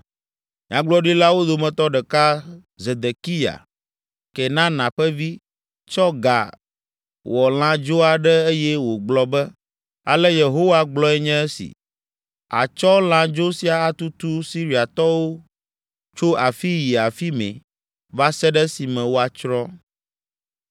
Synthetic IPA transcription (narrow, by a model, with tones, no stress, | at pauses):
ɲ˨ã˨ɡ͡blɔ˦ɖi˦la˦wo˦d̪o˨mɛ̃˨t̪ɔ˦ɖɛ˨ka˦ | ze˨d̪e˨ki˦ja̰˨ | kɛ˨nã˦nã˨ɸɛ˦vi˦ | t͡ʃɔ˦ɡa̰˨ | wɔ˨l̃ã˦d͡ʒo˦a˨ɖɛ˦e˦jɛ˦wo˨ɡ͡blɔ˦bɛ˦ | a˨lɛ˦je˨ɦo˦wa˦ɡ͡blɔ˦ɛ˦ɲɛ̃˦ɛ˦sḭ˨ | a̰˨t͡ʃɔ˦l̃ã˦d͡ʒo˦si˦a˨a˦t̪u˦t̪u˦si˦ɾi˦a˨t̪ɔ˦wo˦ | t͡ʃo˦ʔa˨fi˦ji˨a˨fi˦mɛ̰̃˨ | va˦sɛ˦ɖɛ˦si˨mɛ̃˨wo˦a˨t͡ʃɾɔ˦